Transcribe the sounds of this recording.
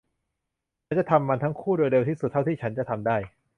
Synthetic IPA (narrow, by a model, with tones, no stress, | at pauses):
a˦˥nt͡ɕa˨˩t̪ʰa˧mːa˧nt̪ʰa˦˥ŋkʰuː˥˩doː˧jde˧wt̪iː˥˩su˨t̪ʰːa˥˩wt̪ʰiː˥˩t͡ɕʰa˦nt͡ɕa˨˩t̪ʰa˧mdaː˥˩j